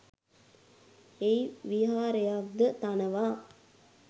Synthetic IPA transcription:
ejʋiɦaːɾejak̚d̪ət̪anəʋaː

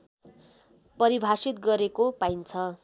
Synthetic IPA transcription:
pʌɾibʱasit̪̚ɡʌɾekopajnt͡sʰʌ

